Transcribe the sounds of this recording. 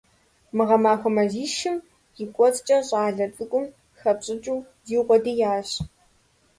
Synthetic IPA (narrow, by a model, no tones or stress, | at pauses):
mɨʁɐmaːxʷɔmɐziːʃɪm | jikʷʼɔt͡sʼt͡ʃʼɐɕʼaːɮɐt͡sʼɨkʷʼʊm | xɐpɕʼɪt͡ʃʼuw | ziːʁʷɔdijaːɕ